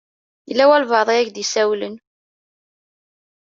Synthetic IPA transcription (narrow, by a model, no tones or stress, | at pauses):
jəlːæwælvɑðˤiæʝd̪isæwlən